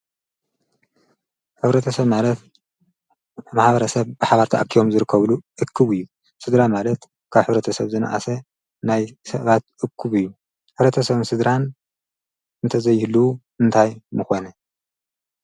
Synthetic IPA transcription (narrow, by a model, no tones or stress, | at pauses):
ħɨβɾɐt̪ʰɐsɐβmalɐt̪ | maħbɐɾɐsɐβbɨħaβɐɾt̪ʰaʔakʰːijo̞mzɨɾɨkːɐβluʔɨkʰːɨβɨjːu | sɨd̪ɾamalɐt̪ | kʰaβħɨβɾɐt̪ʰɐsɐβzɨna̰ʔa̰sɐ | najsɐβat̪̚ʔɨkʰːɨβɨjːu | ħɨβɾɐt̪ʰɐsɐβɨnsɨd̪ɾan | ɨnt̪ʰɐzɐjːɪhluu | ɨnt̪ʰajmɨxonɐ